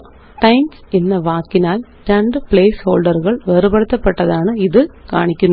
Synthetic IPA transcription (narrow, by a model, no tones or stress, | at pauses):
ʈɐɪmsɛnːɐʋaːkːɪnaːlʈɐɳɖɯpɭeːshoːlɖɐɾɣɐɭʋeːɾɯbɐɽɯt̪ːɐpːɐʈːɐðaːnɐɪðɯka̰ːɳɪkʲːɯn